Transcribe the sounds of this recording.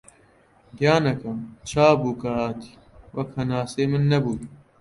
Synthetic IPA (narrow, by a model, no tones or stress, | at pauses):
d̪jaːnɐkɐmt͡ʃʰaːbuːkɐɦaːt̪ʰi̥ː | wʔɐkhɐnaːseːmɨnːɐbuːt̪